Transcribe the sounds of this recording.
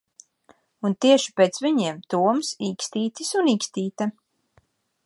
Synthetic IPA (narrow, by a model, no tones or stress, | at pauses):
unt̪iɛʃi̥peːt̪sviɲiɛmt̪uɔmsiːkst̪iːt̪isuniːkst̪iːt̪a